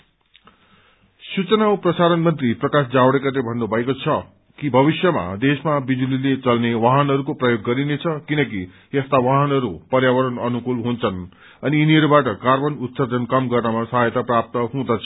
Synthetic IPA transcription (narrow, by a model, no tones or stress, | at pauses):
sut͡sʌnawprʌsaɾʌnmʌnt̪riprʌkasd͡zawɽekalebʱʌnːobʱʌekot͡sʰʌ | kibʱʌbisjʌma̰d̪esmabid͡zulilet͡sʌlnewaɦʌnɦʌɾukoprʌjoɡːʌɾinet͡sʰʌkinʌk̬i | est̪awaɦʌnʌɾupʌrjawʌɾʌnʌnukulɦunt͡sʰʌn | ʌniiniʌɾubaʈʌkarbʌnut̪sʌrd̪ʱʌnkʌmɡʌrnʌmasʌɦajʌt̪aprap̚t̪ʌɦũd̪ʌt͡sʰʌ